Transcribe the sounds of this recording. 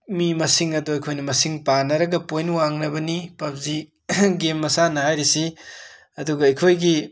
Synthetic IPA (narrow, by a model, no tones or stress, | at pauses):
mimɐsiŋɐduɐjkʰojnɐmɐsiŋpanɐɾɐɡɐpojnwaŋnɐbɐnipɐp̚zi | ɡemːɐsanɐhajɾisi | ɐduɡɐɐjkʰojɡi